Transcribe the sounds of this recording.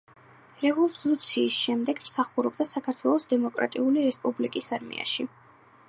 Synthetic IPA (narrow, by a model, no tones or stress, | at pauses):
ɾɛvɔlˠut̪sʰiːsʃɛmd̪ɛɡmsaχuɾɔb̚d̪asakʰaɾt̪ʰwɛlˠɔsd̪ɛmɔkʼɾa̰t̪ʼiuliɾɛspʼublikʼisaɾmḭʔa̰ʃi